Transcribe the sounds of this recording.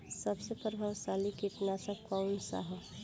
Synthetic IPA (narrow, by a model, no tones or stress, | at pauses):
sɐbsepɾəbʱaʋsaːlikɪʈ̪nasakaʊnsa̰ɦə